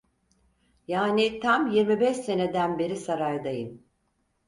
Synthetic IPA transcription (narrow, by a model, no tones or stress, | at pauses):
jaːnit̪ʰamjiɾmibɛʃse̞ne̞d̪ænbe̞ɾisaɾajd̪ajɯm